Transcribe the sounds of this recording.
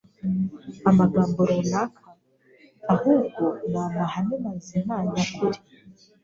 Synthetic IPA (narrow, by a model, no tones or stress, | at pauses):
amaɡaːmbuɾonakʰaː | huːbɡonanahanimazimaːɲakʰuɾi